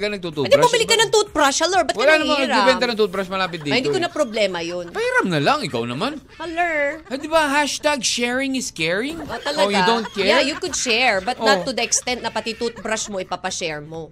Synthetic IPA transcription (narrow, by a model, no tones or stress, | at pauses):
kɐnɐɡ̚t̪ut̪und̪ibɐbɪlɪkːɐnɐŋt̪ut̪̚bɾaʃhɐloɹbɐt̪wɐlaːnɐmaŋnɐɡɾpɛbɛnt̪ɐnɐŋt̪ut̪̚bɾaʃmɐlaːpɪt̪d̪iːɪnd̪iːkonɐpɾoblɛːmɐjonpɐjɾɐmnɐlɐŋɪkawnɐman | ɐlɛɹhɐd̪ɪbaɦaʃt̪aɡ̚ʃɛɹɪŋɪskɛɹɪŋʔot̪ɐlɐojʊdownt̪̚kɛjajukʊd̪̚ʃɛɹbɐt̪nɐt̪ːʊd̪ɐʔɛkst̪ɛnt̪nɐpɐt̪it̪ut̪̚bɾaʃmo̞ʔɪpapɐʃɛɹmo